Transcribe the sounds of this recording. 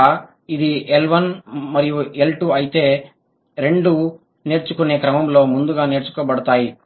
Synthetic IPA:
id̪ielʋɐnmɐɾijue̞lʈuɐjit̪e̞ː | ɾe̞ɳɖu | ne̞ːɾt͡ʃukuneːkɾɐmɐmlo̞ːmund̪uɡaːne̞ːɾt͡ʃu̥kɐbɐɽɐt̪aːji

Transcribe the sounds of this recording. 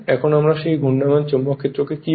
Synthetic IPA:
ɛkʰonoamɾaʃejɡʱunːamant͡ɕomːokʰet̪ːɾokeki

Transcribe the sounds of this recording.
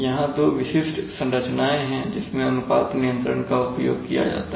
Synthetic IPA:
jɐɦãd̪oːʋɪʃɪʃʈʰsɐ̃nɾət͡ʃnaːẽɦɛ̃d͡ʒɪsmẽɐnpa̰ːt̪nijə̃nt̪ɾəɳkaʊpjo̰ːɡ̚kija̰d͡ʒa̰ːt̪a

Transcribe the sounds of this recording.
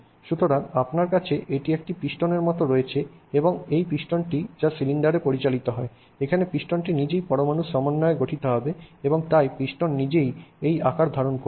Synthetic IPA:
ʃut̪oɾanapnaɾkat͡ɕʰeʔeʈiek̚ʈipɾiʃʈoneɾmɔt̪oɾoet͡ɕʰeeboŋejpɾiʃʈonʈid͡ʑasiliɳɖaɾepoɾit͡ɕalit̪oɦɔe | ekʰanepɾiʃʈonʈinid͡ʑejpɔɾomanuʃːɔmonːɔeɡoʈʰit̪oɦɔbeeboŋt̪ajpɾiʃʈonːid͡ʑejejakaɾd̪ʱaɾonko

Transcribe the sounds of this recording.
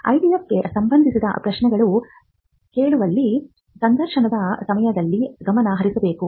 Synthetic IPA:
ɐ̰jɖijɐp̚ɡe̞sɐmbɐnd̪ʱisid̪ɐ̰pɾɐʃnɛɡɐɭu | ke̞ːɭuʋɐlːi | sɐnd̪ʱɐɾʃɐɳɐd̪ɐsɐmɐjɐd̪ɐlːiɡɐmɐnɐɦɐɾisɐbe̞ːku

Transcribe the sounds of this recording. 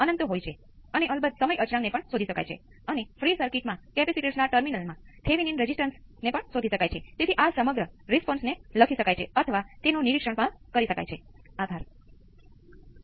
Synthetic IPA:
ənənt̪ɦojt͡ʃʰe | əneʔəlbəd̪səməjət͡ʃɾãŋnepəɳsod̪ʱiʃəka̰jt͡ʃʰḛ | ənefʰɾisəɾkiʈmãkɛpɛsiʈeʈsnaʈəɾminəlmãt̪ʰeʋininɾed͡ʒisʈənsnepəɳsod̪ʱiʃəkajt͡ʃʰet̪et̪ʰiʔasəməɡɾəɾespɔnsneləkʰiʃəkajt͡ʃʰḛət̪ʰəʋat̪enoniɾikʂəɳpəɳkəɾiʃəka̰jt͡ʃʰeab̪ʱaɾ

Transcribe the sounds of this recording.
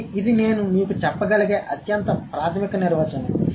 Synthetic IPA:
id̪ine̞ːnumiːkut͡ʃɛpːɐɡɐlɐɡeːʔɐt̪jɐnt̪ɐpɾaːt̪ʰɐmikɐniɾʋɐt͡ʃɐni

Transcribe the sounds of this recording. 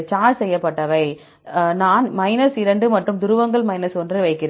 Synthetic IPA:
t͡ʃaːsɛjːɐpːɐʈːɐʋɐɪ | naːnmɐɪnɐsɪɾɐɳɖɯmɐʈrɯmd̪ʊɾɯʋɐŋɡɐɭmɐɪnɐsɔndrɯʋɐɪkːɪɾɐ

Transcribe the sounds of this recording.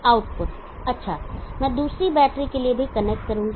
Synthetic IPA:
aːʊʈpʊʈ | ɐtːʃʰamɛ̃ːd̪uːsɾibɛːʈɾikeliebʱikɐnek̚ʈ̚kɐɾũːɡ

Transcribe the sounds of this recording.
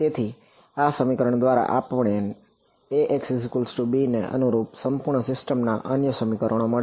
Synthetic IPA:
t̪et̪ʰi | asəmikəɾəɳd̪ʋaɾa̰ʔapʋɳe | eʔeksɪskulsʈubineʔə̰nuɾupsəmpuɾɳəsɪsʈəmna̰ʔənjəsəmikəɾəɽ̃oməɭe

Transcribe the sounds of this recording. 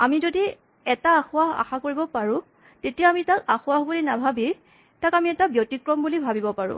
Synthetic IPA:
amizodi | ɛtaːxʊaɦa̰xakoɹibɔpaɹʊ̃ | tetijamitakaxʊwaɦbulinabʱabi | takamiɛtabjotikɹɔmbulibʱabibɔpaɹʊ̰̃

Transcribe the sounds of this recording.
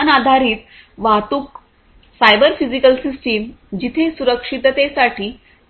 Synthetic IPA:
nad̪ʱaɾiːt̪ | ʋat̪uk | sajbəɾfizikəlsisʈimd͡ʑit̪ʰesuɾəkʂit̪t̪esaʈʰiː

